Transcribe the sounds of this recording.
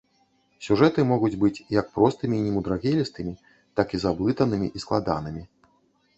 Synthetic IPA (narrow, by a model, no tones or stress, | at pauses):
sʲuʐɛt̪ɨmɔɣud͡zʲbɨt͡sʲjak̚pɾɔst̪ɨmʲiːnʲɛmud̪ɾaɣʲɛlʲist̪ɨmʲi | t̪akizablˠɨt̪ɐnɨmʲḭʔisklˠad̪a̰nɨmʲi